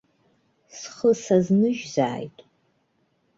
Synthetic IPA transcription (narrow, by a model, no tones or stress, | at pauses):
sχəsaznɨʒza̰ːjtʼ